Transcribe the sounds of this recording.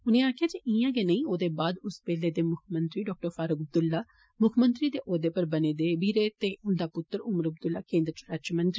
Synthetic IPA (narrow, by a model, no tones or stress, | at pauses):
ʊnẽːaːkʰɪjaːd͡ʒiʔiãːɡeːnəĩːoːd̪eːbaːd̪ʊspɛːleːd̪eːmʊkʰmə̃nt̪ɾiːɖɔːk̚ʈəɾfaːɾʊkəb̚d̪ʊlːaː | mʊkʰmənt̪ɾiːd̪eːʔoːd̪eːpəɾbəneːd̪eːbiːɾeːt̪eːʊnd̪aːpʊt̪ːəɾʊməɾəb̚d̪ʊlːaːkẽːnd̪ɾət͡ʃɾat͡ʃmənt̪ɾiː